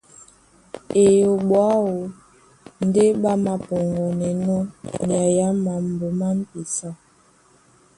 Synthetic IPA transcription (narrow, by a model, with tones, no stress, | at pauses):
e˨jo˨ɓwa˦wo˨ | n̩˨˦de˦ɓa˦ma˨po˨ŋɡɔ˨nɛ˨nɔ˦ni˨a˨ja˦ma˨m̩˨bo˨ma˦m̩˦pi˨sa˦